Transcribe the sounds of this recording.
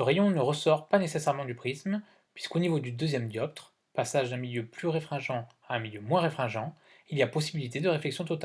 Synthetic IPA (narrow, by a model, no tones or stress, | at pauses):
səʁejɔ̃nəʁəsɔʁpanesesɛʁmɑ̃d̪ypχism | pɥiskonivod̪yd̪øzjɛmd̪jɔpt̪χ | pasaʒd̪ɛ̃miljøplyʁefχɛ̃ʒɑ̃ | aɛ̃miljømwɛ̃ʁefχɛ̃ʒɑ̃ | ilijapɔsibilit̪ed̪əʁeflɛksjɔ̃t̪ɔt̪a